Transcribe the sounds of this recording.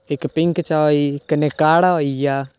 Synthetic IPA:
ekpɪŋkt͡ʃaikənekaːɽaoija

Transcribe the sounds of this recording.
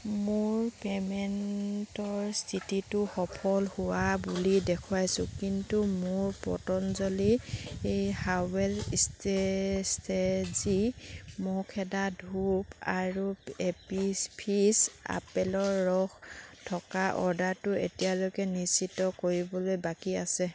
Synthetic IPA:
mʊɹpɛmɛntɔɹstʰititʊxɔpʰɔlhuwabulidɛkʰuajsʊkintumʊɹpɔ̰tɔnzɔliejhawɛlistestʰezimokʰɛdadʱupaɹuepipʰisa̰pɛlɔɹːɔxtʰɔkaʔɔ̰ɹdaɹtʊḛtijalokɛnisitːɔkoɹibɔlojbakiasɛ

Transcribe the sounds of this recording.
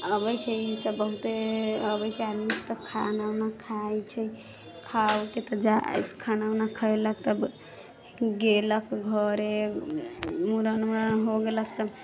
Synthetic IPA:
əbəjt͡ʃʰɛisəbːəɦut̪eəbət͡ʃʰɛad̪mist̪ɔkʰanawnakʰajt͡ʃʰɛ | kʰawket̪əd͡ʒa̰tkʰananakʰəjləkʰt̪əb | ɡeləkʰɡʱəɾe | muɾənmɾnɦoɡeləkʰt̪əb

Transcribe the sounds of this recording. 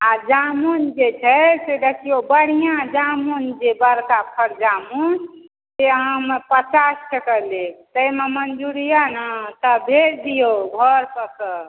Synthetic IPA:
ad͡ʒamund͡ʒet͡ʃʰɛsedəkʰijobəɽ̤ijãd͡ʒamund͡ʒebəɾkapʰəɾd͡ʒamun | seɦəmepət͡ʃasʈʰəkəlek̚t̪əjmemənd͡ʒuɾijanat̪əbʱeɾd̪ijoɡʱəɾpəkə

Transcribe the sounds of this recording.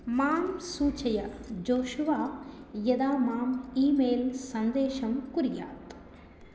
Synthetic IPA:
maːmsuːt͡ʃɐjɐd͡ʒoːʃuʋaːjɐd̪aːmaːmiːmeːlsɐnd̪eːʃɐmkuɾja̰ːt̪

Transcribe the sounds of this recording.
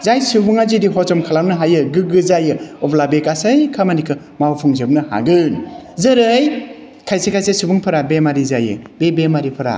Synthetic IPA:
zajsɯbuŋazidiɦɔt͡ʃɔmkʰalamnɯɦajɯɡɯɡɯzajɯɔblabekasɯjkʰamanikʰɯ | mawpʰɯŋzɯbnɯha̰ɡɯnzɯɾɯj | kʰajsekʰajsesubuŋpʰɯɾabemaɾizajɯ̰bebemaɾipʰɯɾa̰

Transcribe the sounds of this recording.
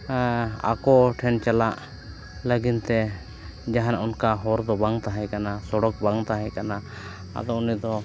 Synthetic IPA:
a̰kɔʈʰɛnt͡ʃalaʔ | ləɡint̪ɛ | d͡ʒaɦanaʔunkaɦɔɾd̪ɔbaŋt̪aɦɛjkanasɔɽɔk̚baŋt̪aɦɛjkana | a̰d̪ɔunid̪ɔ

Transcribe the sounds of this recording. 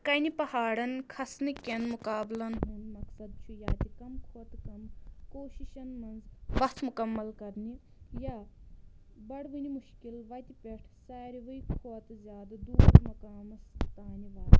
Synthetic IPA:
kɐnipɐhaːɽɐnkʰɐsnɨkʲɐnmukaːblɐnɦunmɐksɐd̪̚t͡ʃʰujaːt̪ʲikɐmkʰoːt̪kɐmkoːʃiʃɐnmɐnzʋɐt̪ʰmukɐmːɐlkɐɾni | jaː | bɐɽʋɨnʲimuʃkilʋɐt̪ʲipʲeʈʰsaːɾiʋɨjkʰoːt̪zʲjaːd̪ɐd̪uːɾmɐkaːmɐst̪aːnʲiʋaːd̪

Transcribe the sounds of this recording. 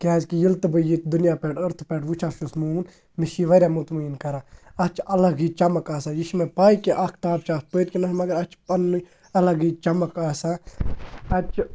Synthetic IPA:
kɛːzkijilt̪bəjit̪d̪ʊnjaːpɛːʈʰɐɾt̪ʰpɛːʈʰʋut͡ʃʰaːfʃusmuːn | miʃiʋɐɾʲaːmut̪muinkɐɾaːɐt͡ʃʰɐlɐɡit͡ʃɐməkaːsaːjiʃmẽpaːikeʔɐkʰt̪aːp̚t͡ʃaːspəːt̪̚kinɐsmɐɡɐɾɐt͡ʃʰpɐnːu | ɐlɐɡiːt͡ʃɐmɐkaːsaː | ɐt͡ʃʰ

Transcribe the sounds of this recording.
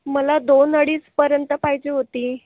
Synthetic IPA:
məlad̪onəɽiːt͡spəɾjənt̪əpaɦid͡ʑeːɦot̪iː

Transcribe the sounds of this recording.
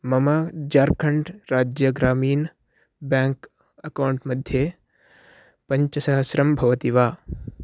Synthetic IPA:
mɐmad͡ʒaːɾkʰɐɳɖɾaːd͡ʒjɐɡɾaːmiːn | bãːŋk | ɐkawɳʈmɐd̪ʱje | pɐ̃ɲt͡ʃɐsɐɦɐsɾɐmbʱɐʋɐt̪iʋaː

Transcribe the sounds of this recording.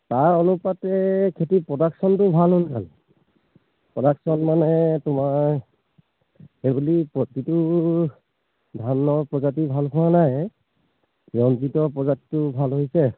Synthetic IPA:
taɹɔnupatɛkʰetipɹɔdaksɔntʊbʱalɦolkʰa̰l | pɹɔdaksɔnmanɛtʊma | ebulipɔtitu | dʱanːɔpɹɔzat̬ibʱalkʰʊwanaj | ɔntitɔpɹɔzati̥tʊbʱalɦojsɛ

